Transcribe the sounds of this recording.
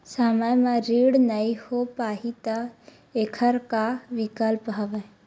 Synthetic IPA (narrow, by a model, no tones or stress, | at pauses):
səmajmãɾiːɽnɐihopaːɦit̪ɐ | eːkʰəɾkaʋikəlpɦaʋə̃